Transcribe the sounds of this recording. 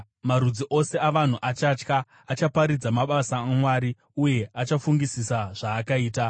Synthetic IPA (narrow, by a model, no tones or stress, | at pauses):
maɾud͡ziʔo̞se̞aʋan̤uʔat͡ʃaːt͡ʃkaː | t͡ʃapaɾid͡zamaɓasaːmwaːɾi | uje̞at͡ʃafuŋɡisisaʐ̥aːkaiːta